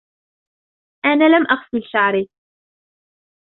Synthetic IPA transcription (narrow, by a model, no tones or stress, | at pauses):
ʔanaːlamʔaxfilʃaʕɾi